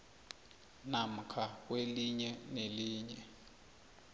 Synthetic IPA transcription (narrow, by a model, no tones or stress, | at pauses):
nam̩kʰak̬weliɲɛneliːɲɛ